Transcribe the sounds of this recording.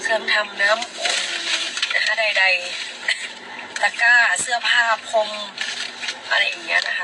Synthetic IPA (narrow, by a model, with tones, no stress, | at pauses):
sʰɯː˧˩˨mt̪ʰa˧mnaː˧˥˨mʔo˧˩ŋna˧kʰa˧˥˩da˧˩jda˧˩j | t̪a˧kaː˧˥˩sɯ˧˥˩ɐpʰaː˧˩pʰo˧˥m | ʔa˧˩ɾa˧ja˧˨na˧kʰa˧˥